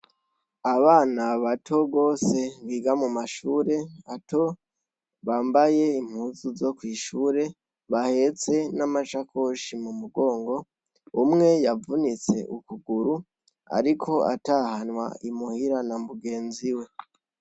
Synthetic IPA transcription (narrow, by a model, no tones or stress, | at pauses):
aβaːnaβatʰo̞ɡo̞ːse̞βiːɡamumaʃuːɾe̞ato̞ | βaːmbaje̞im̥huːzuzo̞kwiːʃuːɾe̞ | βahe̞t͡se̞namat͡ʃako̞ʃimumuɡo̞ːŋɡo̞ | umŋe̞javunit͡se̞̰ʔukuɡuɾu | a̰ɾikʰo̞a̰tahanwa̰imuhiɾanambuɡe̞ːnziwe̞